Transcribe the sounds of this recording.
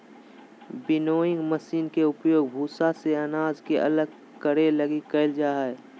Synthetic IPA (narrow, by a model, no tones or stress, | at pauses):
bɪnoːɪ̃ŋɡməsiːnkeʊpjoːɡ̚bʱuːsaseənaːd͡ʒkeʔɐ̰ləɡ | kəɽeləɡikəɪld͡ʒaːɛ